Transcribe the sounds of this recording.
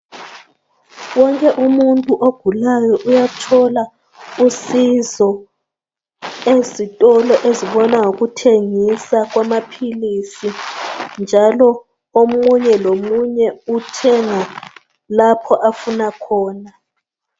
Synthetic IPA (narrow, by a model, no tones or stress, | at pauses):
wɔŋkʼɛʔumuntʼuʔoɡ̥ʱulajɔʔujatʰɔla | usizɔ | ezitʼɔlɔʔeziɓɔnaŋokutʰeŋisak̬wamapʰilisind͡ʒʱalɔ | omuɲɛlomuɲɛutʰɛŋa | lapʰɔʔafunakʰɔːna